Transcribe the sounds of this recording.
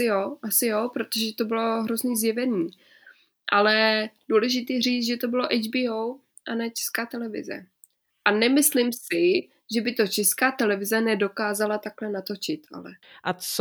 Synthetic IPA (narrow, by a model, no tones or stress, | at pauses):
ɪjoːʔasɪjoːpɾo̞t̪oʒɛt̪o̞bɪlo̞ɦɾozniːzjɛvɛniː | ʔalɛduːlɛʒɪt̪iːjɛr̝iːt͡s̪ʒɛt̪o̞bɪlo̞ʔɛjd͡ʒbiːow | ʔanɛːt͡ʃɛ̥skaːt̪ɛlɛvɪ̰zɛ̰ | ʔanɛmɪslɪmsɪ | ʒɛbɪt̪o̞t͡ʃɛskaːt̪ɛlɛvɪzɛnɛdo̞kaːzalat̪aklɛnat̪o̞t͡ʃɪt̪a̰lɛ̰ | ʔat͡s